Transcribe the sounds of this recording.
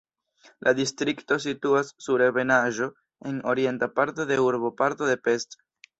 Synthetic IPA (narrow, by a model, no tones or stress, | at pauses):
lʔadistɾikto̞s̬ituasːuɾeβe̞naʒo̞ | e̞no̞ɾie̞ntapaɾto̞de̞uɾbo̞paɾto̞de̞pe̞st